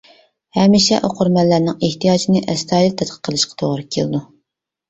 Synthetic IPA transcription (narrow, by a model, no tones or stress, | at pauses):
hɛmiʃɛ̰ʔoqʰʊɾmɛlːæɾnɪŋeht̪ijɑːt͡ʃʰinɪʔɛst̪ʰɑːjɪlt̪ʰɛt̪qʰə̥qʰːəlˠɨʃqʰɑ̥t̪ʰoʁɾɨkʲʰeld̪u